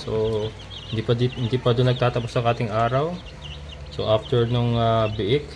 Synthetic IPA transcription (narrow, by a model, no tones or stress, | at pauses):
so | hɪnd̪ipɐd̪ihɪnd̪iːpɐd̪onːɐɡ̚t̪aːt̪ɐposɐŋʔaːt̪ɪŋʔaːɾɐw | soʔaft̪ɛɹnʊŋabɪʔɪk̚